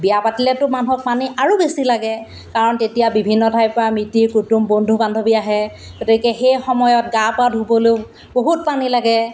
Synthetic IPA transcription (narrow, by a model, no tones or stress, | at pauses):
bijapatilɛtʊmanuɦɔk̚paniʔaɹubesilaɡɛ | kaɹɔntetijabibʱinːɔdʱajpɔɹamɹitiɹkutumbondʱubandʱobiaɦɛ | ɡotikɛxejxɔmɔjɔt̚ɡapadʱubolo | boɦut̚panilaɡɛ